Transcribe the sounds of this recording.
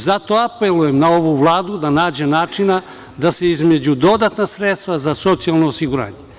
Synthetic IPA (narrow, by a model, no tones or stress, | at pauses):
zat̪o̞apelujemnao̞ʋuʋlˠaːd̪ud̪anaːd͡ʑenaːt͡ʃina | d̪ase̞izme̞d͡ʑud̪o̞d̪at̪nasɾet̪st̪ʋazaso̞t̪sialnoːsiɡuɾa̰ːɲe